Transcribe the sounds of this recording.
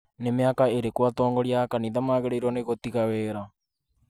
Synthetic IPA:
nemeakaeɾekwatɔːŋɡɔɾiakaniðamaːɣeɾeiɾwɔneɣot̪iɣawɛːɾa

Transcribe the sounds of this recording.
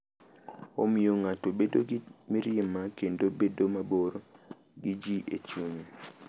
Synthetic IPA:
omijoŋatobedoɡimiɾɪmːakendobedomaboɾo | ɡid͡ʒiʔet͡ʃuɲe

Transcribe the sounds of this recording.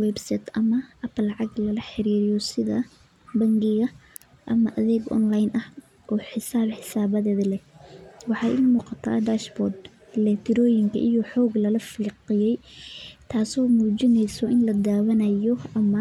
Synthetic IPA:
wɛbsɛt̪ʰʔɐmɐʔɐplːɑʕɑɡlɐlɐħɪɾiːɾɪjɔsɪðɐ̰ | bɐŋɡɪɣɐ | ʔɐmɐʔɐðɛːɡʔɔ̰nlajnʔɐh | ʔɔːħɪsaːbħɪsaːβɐðɛːðɐlɛwɑħɑːjʔɪmuːqɑt̪ʰa̰ːd̪aːʃbɔrd̪ | lɛt̪ʰɪɾɔːjɪŋkʰɐ̰ʔijɔħɔːɡlɐlɐfiːqɪjɛjt̪ʰaːsɔːmuːt͡ʃɪnɛjsɔʔɪnlɐd̪aːwɐnɐjɔɐmɐ

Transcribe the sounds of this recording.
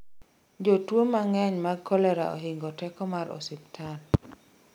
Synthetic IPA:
d͡ʒotwomaŋɛɲmaɡkʰːɔlɛɾa̰ʔo̰ɦɪŋɡɔtɛkɔmaɾɔ̰sɪp̚tʰan

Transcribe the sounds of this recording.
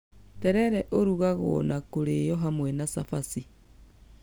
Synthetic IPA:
tɛɾɛɾɛʔoɾuɣaɣo̰ːnakoɾejɔɦamwɛnasafasi

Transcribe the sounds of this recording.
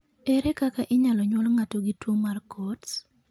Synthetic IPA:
eɾekakaʔɪɲalɔɲwɔlŋatoɡitwomarkɔts

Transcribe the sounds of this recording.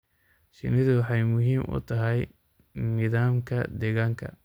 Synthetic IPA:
ʃɪ̰nɪðʊwɑħɑjmʊɦiːmʔʊ̰t̪ʰɐɦɛj | nɪðaːmkʰɐd̪ɛɣaːŋkʰɐ̰

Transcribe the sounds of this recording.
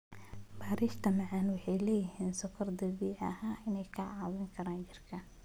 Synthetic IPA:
baːɾiːʃt̪ʰɐmɐʕɑnwɑħɑjlɛːjɪɦiːnsɔkʰɐrd̪ɐβiːʕɐ̰ɦaːʔɪnɛjkʰɐʕɑːwɪŋkʰɐɾaːnt͡ʃɪrkʰɐn

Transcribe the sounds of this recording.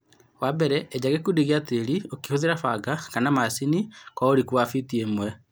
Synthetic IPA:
waːbɛɾɛːd͡ʑaɣekudiɣiateɾiokihoðeɾafaɡakanamasinikɔoɾikuwafitiemwɛ

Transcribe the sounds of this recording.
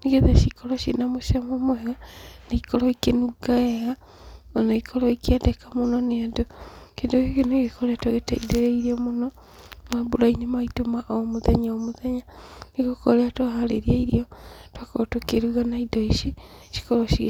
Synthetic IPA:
niɡeðaʃikʰoloʃinamuʃamomweɣanekikoloikenuɡaeɣa | onokikʰoloikiedekamunonendokedoikinoɡekoleatwaɣetaideɾeiɾjomuno | mabulainimaitumaʔomuðaɲaomuðaɲanikokoleatwahaleɾieiɾiotwakotokeɾuɣanaidoiʃiʃi̥koloʃi

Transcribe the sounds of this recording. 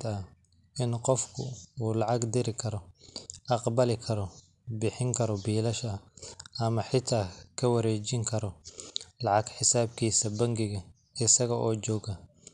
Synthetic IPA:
d̪ɐ | ɪnqɔfkʰʊuːlɑʕɑɡd̪ɪɾɪkʰɐɾɔʔɑqbɐlɪkʰɐɾɔ | bɪħɪŋkʰɐɾɔbiːlɐʃɐʔɐmɐħɪt̪ʰaːkʰɐwɐɾɛːt͡ʃɪŋkʰɐɾɔlɑʕɑɡħɪsaːbkʰiːsɐbɐŋɡɪɣɐ | ɪsɐɣɐʔɔːt͡ʃɔːɡɐ

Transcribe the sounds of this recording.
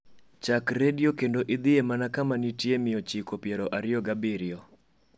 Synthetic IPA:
t͡ʃakɾedɪjokendoʔɪd̪ɪemanakamanitjemɪjɔt͡ʃikopjeɾoʔaɾɪjɔɡabiɾɪo

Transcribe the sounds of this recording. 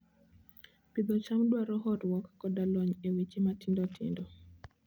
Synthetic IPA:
pid̪ɔt͡ʃamdwaɾɔɦɔtwɔkːɔdalɔɲewit͡ʃematɪndɔtʰɪ̰ndɔ

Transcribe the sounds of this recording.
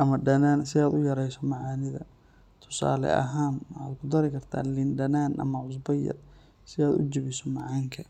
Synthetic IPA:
ʔɐmɐɖɐnaːnsɪaːd̪ʊjɐɾɛjsɔmɑʕɑːnɪðɐ̰ | t̪ʰʊ̥sa̰ːlɛ̰ʔɐ̰ɦaːnwħaːd̪kʰʊd̪ɐɾɪkʰɐrt̪ʰa̰ːlɪnɖɐnaːnʔɐ̰mɐʕʊs̬bɐjɐ̰d | sɪaːd̪ʊ̰d͡ʒɪβɪsɔmɑʕɑːŋkʰɐ

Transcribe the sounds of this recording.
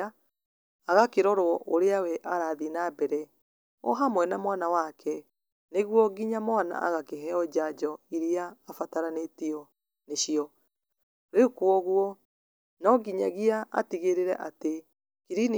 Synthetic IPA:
a | aɣakeɾɔɾwɔʔoɾeawɛʔaɾaðinabɛɾɛ | ɔ̰ɦamwɛnamwanawakʰɛ | neɣwɔɡiɲamwana̰ʔa̰ɣakeɦɛɔd͡ʑad͡ʑɔiɾiaːfataɾanetiɔ | neɕiɔ | ɾekwɔɣwɔ | nɔɡiɲaɣiaa̰tiɣeɾeɾɛ̰ʔate | kiɾin

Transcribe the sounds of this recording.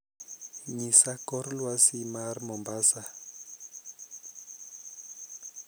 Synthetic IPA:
ɲisakɔɾlwasimarmɔmbasa

